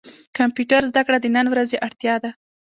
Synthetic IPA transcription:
kampjuʈaɾzd̪akɽad̪ənanwɾazeʔaɽt̪jɑd̪a

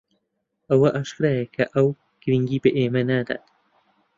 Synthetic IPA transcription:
ʔɐwɐʔaːʃkɾaːjɐkʰɐʔɐw | ɡ̥ɨɾiŋɡiːbɐʔeːmɐnaːd̪a̰ːt̪

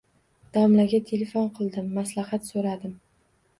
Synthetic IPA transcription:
d̪̥ɒmlaɡʲat̪ʰe̞lefonqʰɨlˠd̪ɪmːaslahat̪soɾad̪ɪm

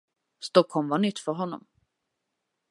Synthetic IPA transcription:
st̪ɔkhɔmvaɳʏt̪ːfœɾɦɔnːɔ̰m

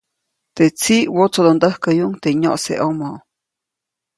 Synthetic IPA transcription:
t̪et͡siwot͡sod̪ond̪əhkəjuŋt̪eɲoʔsḛʔomo

